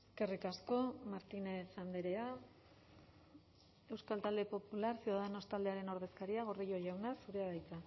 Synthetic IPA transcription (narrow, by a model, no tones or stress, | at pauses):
eeske̞rikasko̞maɾt̪inesand̪eɾe̞a | e̞wskalt̪ald̪e̞po̞pulaɾsiuðaðeno̞st̪ald̪e̞aɾe̞no̞ɾðe̞skaɾiaɣ̞o̞ɾðiʎo̞ʝawnasuɾeaðajt͡sa